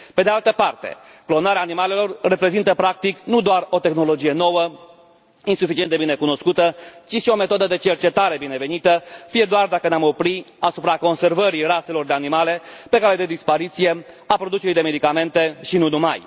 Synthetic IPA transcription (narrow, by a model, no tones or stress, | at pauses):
pe̞d̪ealt̪əpart̪e̞̰ | klo̞naɾeaːnimale̞lo̞rːe̞pɾe̞zint̪əpɾak̚t̪iknud̪oaro̞t̪e̞xno̞lo̞d͡ʒije̞no̞wə | insufit͡ʃiend̪ebine̞kuno̞skut̪ət͡ʃiʃio̞me̞t̪o̞d̪əd̪e̞t͡ʃe̞rt͡ʃe̞t̪aɾe̞bine̞ve̞nit̪əfije̞d̪oard̪akəneamo̞pɾi | asupɾako̞nse̞rvəɾirase̞lo̞rd̪e̞animale̞pe̞kale̞d̪e̞d̪ispaɾit̪sije̞ | apɾo̞d̪ut͡ʃeɾijd̪e̞me̞d̪ikame̞nt̪e̞ʃinunuma̰j